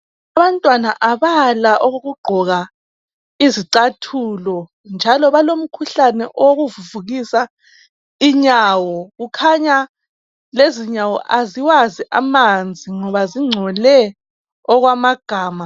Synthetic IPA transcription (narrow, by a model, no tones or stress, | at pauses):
aβantʼwanaʔaβalaʔoɣoɣuɡ͡ǃʱɔɣa | iziǀatʰulɔ | nd͡ʒʱalɔβalom̩kʰuɬanɛʔɔwoɣuvuvuɣisa | iɲaːwɔɣukʰaɲa | leziɲawɔ̰ʔaziwaziʔa̰mand͡zʱiŋɔβaziŋ͡ǀʱɔlɛ | ɔɣwamaɡ̥ʱaːma